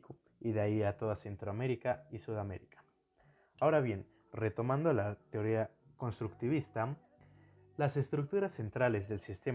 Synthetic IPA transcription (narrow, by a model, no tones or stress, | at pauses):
ko | iðeaiat̪o̞ðase̞nt̪ɾoame̞ɾikaisuðame̞̰ɾikḁ | aoɾaβje̞n | re̞t̪o̞mãnd̪olat̪eo̞ɾiako̞nst̪ɾukt̪iβ̞ist̪a | lase̞st̪ɾuk̚t̪uɾasːe̞nt̪ɾale̞zðe̞lsist̪e̞